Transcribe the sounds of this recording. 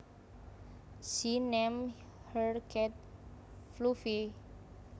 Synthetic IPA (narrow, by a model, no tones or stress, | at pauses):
sinɛm | hərkɛt̪̚flufi